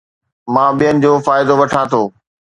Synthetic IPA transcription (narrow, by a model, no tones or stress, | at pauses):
mãːɓijənɪ̆d͡ʑoːfaːɪd̪oʋɐʈʰãːt̪ʰoː